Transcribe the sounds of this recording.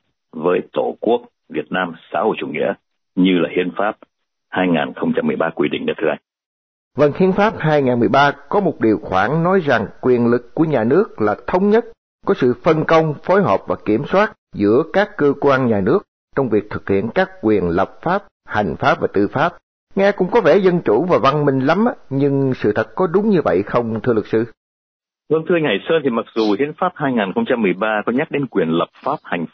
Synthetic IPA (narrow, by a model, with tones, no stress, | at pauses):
vəː˨˦jt̪o˧˩ku˦˥ək̚ | vi˨˩ət̚naː˧msa̰ː˧˥˦ho̰˧˨jt͡ɕu˧˩ŋḭ˧˥ə | ɲɨ˧laː˨˩hi˧ənfaː˦˥p̚ | haː˧jŋa̰ː˨˩nxə˧wŋ͡mt͡ɕa˧mːɨ˨˩əjɓaː˧kwi˧ɗḭ˧˨ŋnəː˧˩t̪ʰɨ˦ʔa˧j | və˧˩ŋhi˧ənfaː˦˥p̚hɦaː˧jŋaː˨˩nmɨ˨˩əjɓaː˧kɔ˨˦mo˨˩t̚ɗi˨˩əwxwaː˧˩nnɔ˨˦jza˨˩ŋkwi˨˩ənlɨ˨˩kːu˧˩əɲaː˨˩nɨ˦˥ək̚laː˨˩t̪ʰə˨˦wŋ͡mɲə˦˥t̚ | kɔ˨˦sɨ̰˧˨fə˧nkə˧wŋ͡mfo˨˦jɦɔ̰ː˨˩p̚vaː˨˩ki˧˩əmswaː˦˥t̚zɨ̰˧˥əkaː˦˥kːəː˧kwaː˧nɲaː˨˩nɨ˦˥ək̚ | t͡ɕɔ˧wŋ͡mvi˨˩ək̚t̪ʰɨ˨˩k̚hḭ˧˨ənkaː˦˥kːwi˨˩ənlə˨˩p̚faː˦˥p̚ | ha˨˩jŋ̟faː˦˥p̚vaː˨˩t̪ɨ˧˩faː˦˥p̚ | ŋɛ˧kʊ̰˧˥ŋ͡mkɔ˨˦vɛ˧˩zə˧nt͡ɕu˧˩vaː˨˩va˧nmï˨˩ŋ̟la˨˦m˧ɲɨ˧ŋsɨ̰˧˨t̪ʰə˨˩t̚kɔ˨˦ɗʊ˨˦ŋ͡mɲɨ˧və̰˧˨jxə˧wŋ͡mt̪ʰɨ˧əlɨ˨˩k̚sɨ˧ | və˧nt̪ɨ˧ŋha˧˩jsəː˧nt̪ʰi˨˩ma˨˩k̚zu˨˩hi˨˦ənfaː˦˥p̚haː˧jŋaː˨˩nxə˧wŋ͡mt͡ɕa˧mːɨ˨˩əjɓaː˧kɔ˨˦ɲa˦˥k̚ɗe˨˦nkwi˨˩ənlə˨˩p̚faː˦˥p̚ha˨˩jŋ̟˦